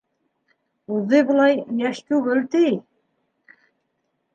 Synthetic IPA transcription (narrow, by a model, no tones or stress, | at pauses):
uðɤbɤ̆lˠɑjjæʃt̪ʉɡɘlt̪ij